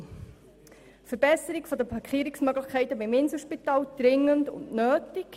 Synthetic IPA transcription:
fəɾbɛsəɾikfɔdəpʰɑkʰχiːəɾiksmœɡləχkʰɛɪtəbɪmɪnsl̩ʃpitɑːld̪̥ɾɪŋːəntʊ̰ntnøːtik

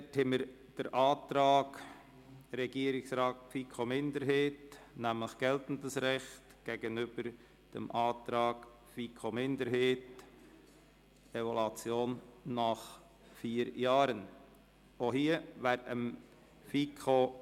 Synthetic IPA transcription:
ɛthɛməɾ | d̥əɾʔɑːt̪ɾɑːɡ | ɾɛɡ̥iːəɾɪksɾɑːt̚fikʰomɪndəɾɦeːtnæmləχɡ̥ɛltn̩dəsɾɛχtɡ̥ɛɡənʏb̥əɾ | d̥ə̰mʔɑːt̪ɾɑːɡ̥ | fikʰomɪnd̪əɾɦeːt | ɛvolɑt͡sjoːnːɑχ | fiːɾjɑːɾən | ohiːəvæːɾəm | fikʰo

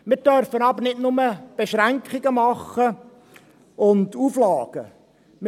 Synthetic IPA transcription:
mɪːd̥œɾfənɑbəɾnɪtnʊməb̥eʃræŋkχɪɡəmɑχːə | ʊnduːflɑːɡ̥ə | m

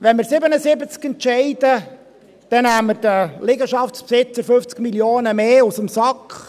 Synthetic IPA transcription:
ʋɛnmɪɾsɪbənəsɪbət͡skɛntʃɛɪdə | d̪̥ɛnæːməɾd̥əlɪɡəʃɑfspsɪt͡səɾfft͡skmiljoːnəmeːusəmsɑkχ

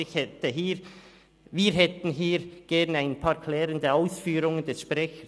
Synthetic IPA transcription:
ɪçhɛtəɦiːɾ | viːɾɦɛt̪n̩ɦiːɾɡ̥ɛʁnaɪnpʰɑːɹkʰlɛːɾəndəaʊsfyːɾʊŋəndɛsʃpʁɛçə

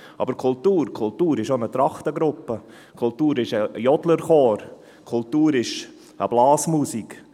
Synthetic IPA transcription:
ʔɑ̰bəɾkʰʊltuːɾkʰʊltuːɾɪʃonət̪ɾɑχt̪əɡɾʊpə | kʰʊlt̪uːɾɪʃəjɔdləɾχoːɾ | kʰʊltuːɾɪʃ | ə̰blɑːsmuːsik

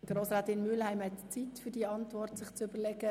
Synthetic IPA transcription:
d̥ərɾoːsɾɑːtɪnmyəlhæɪmhɛtt͡sitfyːdiəɑntʋɔrtsɪχt͡søbəlɛɡə

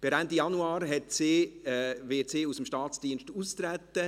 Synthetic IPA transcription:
b̥ɪɾɛndijɑnuɑːɾɦɛtse | ʋeːt͡seːusəmʃtɑːt͡sd̥iənʃtuːst̪ɾæt̪ːə

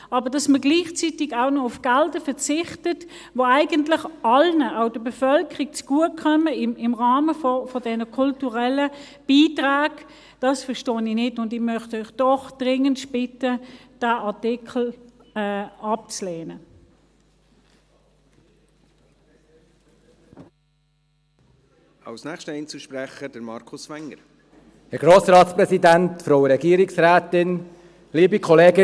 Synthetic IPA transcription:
ɑːbəɐd̥ɑsməɡliːχt͡sitɪɡaʊnɔʊfɡ̥aldəfɛʁt͡sɪχtət | voaɪɡəntlɪχɑlnəʔaʊdəbefœlkəʁik̚t͡sɡ̥uəkʰœməɪmɪmʁaːməfɔfɔdɛnəkʰʊltuʁɛlə | b̥iːtʁaːɡ | d̥ɑsfɐʁʃtoːnɪnɪtʊndɪmœχtœʏχd̥ɔχd̥ʁɪŋəntb̥ɪtəd̥aːʔɑɐtɪkʰl̩ː | ɑp̚t͡sleːnə | ɑ̰wsnæːxʃtəɛjnt͡səʃpɾɛχəd̥əɾmɑɾkʰʊsʋɛŋːəɾ | hɛɡɾoːsɾɑːtspɾɛsidæntfɾoʊwəɾɛɡiːəɾɪksɾæːtɪn | liːbikʰɔleːɡə

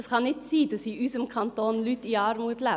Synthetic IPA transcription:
skʰɑnɪt̪siːt̪ɪsiːʔʉːsəmkʰɑnt̪oːnlʉt̪iːɑɾmuːt̪læ

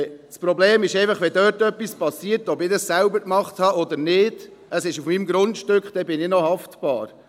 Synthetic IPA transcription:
spɾɔbleːmɪʃɛɪfɑχʋɛdøːɾtœpːispɑsiːəɾtɔbɪdəssælʊbəɾkmɑχthɑʔɔd̪əɾnɪd̥ | əsɪʃufmimɡɾʊntʃtøkχd̥ɛbɪnɪnɔhɑftb̥ɑ̰ːɾ

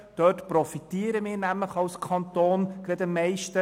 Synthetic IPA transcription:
d̥œːtprɔfit̪iːəɾəmɪːɾnæmləχɑlskʰɑnt̪oːnɡ̥ɾɛd̪əmɛɪʃtə

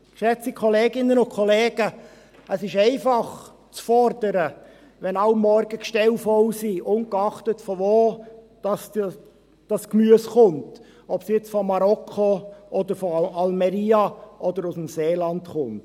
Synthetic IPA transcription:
ʃɛt͡sikʰɔleːɡɪnːənʊkʰχɔleːɡ̥ə | əsɪʃɛɪfɑχ | t͡sfɔrd̥əɾə | ʋɛnɑʊmːɔɾɡ̥əkʃtɛlfɔlsiʔʊnkɑχtətfɔvoːd̥ɑs | d̥ɑskmyəsχʊnt | ɔpsjɪt͡sfɔmɑɾɔkʰoʔɔd̪əɾfɔɑlmɛɾiːɑʔɔdəɾʊsm̩seːlɑntχʊnt

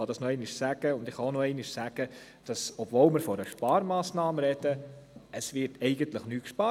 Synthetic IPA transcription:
ɑd̥̪ɑsnoɛɪnɪʃsæɡ̥əʊndɪχhɑonoɛɪnɪʃsæɡ̥ə | d̥ɑsɔbvoːlmɪɾfɔɾəʃpɑːɾmɑːsnɑːməɾɛd̥̪əəsʋɪɾtɛɪɡənt̪ləχnyːtkʃpɑː

